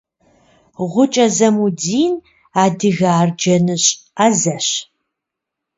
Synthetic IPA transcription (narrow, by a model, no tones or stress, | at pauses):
ʁʷʊt͡ʃʼɐzɐmudiːn | aːdɨɣaːrd͡ʒɐnɨɕʼaːzɐɕ